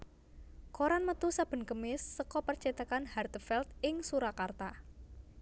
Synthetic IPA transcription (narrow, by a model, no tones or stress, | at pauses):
koɾanmət̪usab̥ə̤nkəmɪsːəkɔpərt͡ʃit̪əkanhart̪əfɛlt̪̚ɪŋsuɾakart̪a